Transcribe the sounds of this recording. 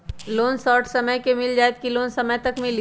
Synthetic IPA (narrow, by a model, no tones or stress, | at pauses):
loːnsɔːʈsɐməjkemɪld͡ʒaːɛt̪kiloːnsɐməjt̪ɐkmɪl